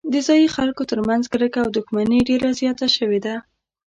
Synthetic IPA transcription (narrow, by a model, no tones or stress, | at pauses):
d̪əzɑjixalkot̪əɾmanzɡɾəkaːwd̪uxmaneɖeɾazjɑt̪aʃəwed̪a